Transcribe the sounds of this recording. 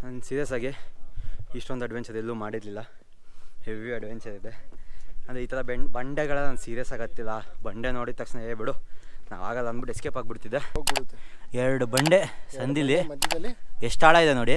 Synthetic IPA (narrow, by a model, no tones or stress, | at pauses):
nɐnsiːɾijɐsaːɡiː | ʂʈond̪uɐɖʋensɐd̪elːuːmaːɽid̪lilːɐ | heʋiɐɖʋent͡ʃɐd̪id̪eɐnd̪ɾeiːt̪ɐɾɐbebɐɳɖeɡɐɭɐnɐnd̪usiːɾijɐsaːɡɐt̪ːilːɐbɐɳɖenoːɽit̪ɐkʂneeːbiɽuna̰ːʋa̰ːɡɐlːɐnbiʈːeskeːpaːɡ̚biɽt̪id̪ːeɡt̪ːɛɾɐɽubɐɳɖesɐnd̪ilːiɐɐeʂʈaːɭaːid̪eno̞ːɽi